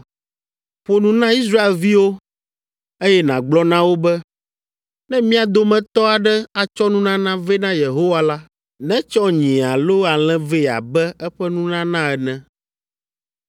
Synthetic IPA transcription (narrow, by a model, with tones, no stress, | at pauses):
ɸo˦nũ˦nã˦i˦s̬ɾa˦e˨lvi˦wo˦ | e˦jɛ˦nã˨ɡ͡blɔ˦nã˦wo˦bɛ˦ | nɛ̃˦mĩ˦a˨d̪o˦mɛ̃˨t̪ɔ˦a˨ɖɛ˦a˨t͡ʃɔ˦nũ˦nã˦nã˦vɛ˦nã˦je˨ɦo˦wa˦la˦ | nɛ̃˦t͡ʃɔ˦ɲĩ˨a˨lo˦a˨l̃ɛ̃˦ve˦˨a̰˨bɛ˦ɛ˦ɸɛ˦nũ˦nã˦nã˦ɛ˨nɛ̃˨